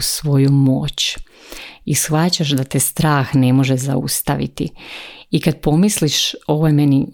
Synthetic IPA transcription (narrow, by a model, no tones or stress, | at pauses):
sʋo̞jumo̞ːt͡ɕ | isxʋat͡ɕaʃd̪at̪est̪ɾaːxne̞mo̞ʒeza̰ṵst̪aʋḭt̪iikad̪̚po̞misliʃo̞ʋojemeni